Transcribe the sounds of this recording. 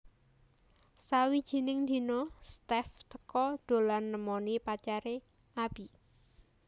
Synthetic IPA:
sawi̥ʒ̥i̤nɪŋd̪i̤nost̪ɛft̪əkɔd̪̥o̤lanːəmɔnipat͡ʃaɾe | ʔab̥i

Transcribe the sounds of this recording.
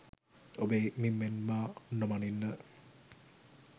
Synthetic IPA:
obeːmimːenmanːəmaninːə

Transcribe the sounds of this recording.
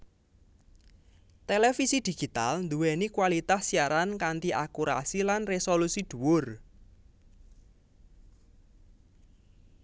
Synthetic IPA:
t̪elefisid̪̥i̤ɡ̥i̤t̪a̰lnd̪uwɛnikwalit̪asːiaɾankant̪iʔakuɾa̰silanresolusid̪̥ṳwʊr

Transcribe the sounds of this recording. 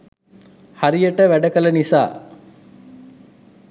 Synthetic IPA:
hɐɾijɐʈəʋæɖɐkɐlɐnisa̰ː

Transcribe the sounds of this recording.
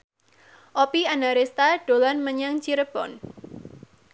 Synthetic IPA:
ʔɔpianaɾest̪aɖ̥o̤lanməɲaŋt͡ʃiɾəb̥ɔ̰n

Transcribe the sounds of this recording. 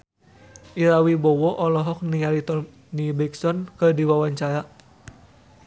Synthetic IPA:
ʔiɾawibɔwɔʔɔlɔɦɔk̚niaɾit̪ɔ | nibɛksɔnkərdiwawaɲt͡ʃaɾa

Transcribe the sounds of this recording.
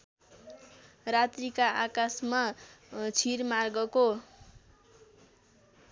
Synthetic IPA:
rat̪rikaakasma | t͡sʰirmarɡʌko

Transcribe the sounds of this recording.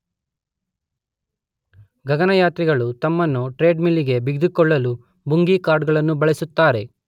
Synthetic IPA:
ɡɐɡɐnɐjaːt̪ɾiɡɐɭut̪ɐmːɐnːuʈɾe̞ːɖmilːiɡe̞biɡd̪ikɔɭːɐlu | buŋɡikaːɾɖɡɐɭɐnːubɐɭisut̪ːaːɾe̞

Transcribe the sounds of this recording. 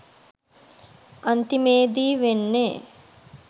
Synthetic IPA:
ɐnt̪imeːd̪iːʋenːeː

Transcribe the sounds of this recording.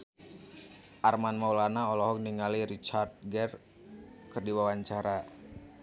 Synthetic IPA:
ʔarmanmawlanaɔlɔɦɔk̚niŋaliɾit͡ʃard̪̚ɡɛr | kɨrdiwawaɲt͡ʃaɾa

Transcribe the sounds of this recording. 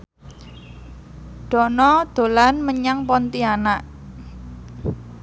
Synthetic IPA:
ɖ̪̥ɔ̤nɔd̪̥o̤lanməɲaŋpɔnt̪ianaʔ

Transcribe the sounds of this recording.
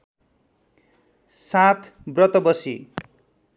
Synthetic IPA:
sat̪ | brʌt̪ʌbʌsi

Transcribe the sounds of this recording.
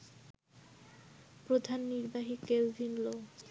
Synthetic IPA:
pɾod̪ʱanːiɾbaɦikelvinlo

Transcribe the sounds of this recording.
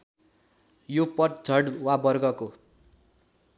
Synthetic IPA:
jopʌʈ̚d͡zʱʌɽwabʌrɡʌko

